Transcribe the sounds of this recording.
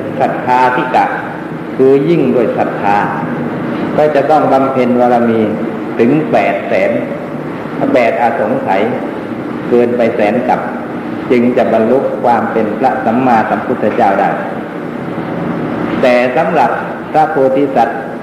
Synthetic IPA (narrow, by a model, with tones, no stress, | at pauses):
kʰa˨˩t̪̚kʰaː˧t̪ʰiː˧˥˩ka˨˩ | kʰɯː˧ji˥˩ŋduː˧˥˩əjkʰa˨˩t̪̚k̪ʰːaː˧ | kɔː˧˥˩t͡ɕa˨˩t̪ɔ˥˩ŋba˧mpʰe˧nwaː˧laː˧˩miː˧ | t̪ʰɯ˨˦ŋpɛː˨˩t̪̚sɛː˩˦n | bɛː˨˩t̪̚ʔaː˨˧˩so˨˦ŋsa˨˦j | kɤː˧npa˧jsɛː˩˦nka˨˩p̚ | t͡ɕɯ˧ŋt͡ɕa˨˩ba˧nlu˦˥kʰːwaː˧mpe˧npʰɾa˦˧˥ʔsa˨˦mːaː˧t̪̚sa˨˦mpʰu˧˥t̪ʰːa˧t͡ɕaː˥˩wdaː˥˩j | t̪ɛː˨˩sa˨˦mɾa˨˩p̚ | pʰɾa˦˧˥p̪ʰoː˧t̪i˧˥sa˨˦t̪̚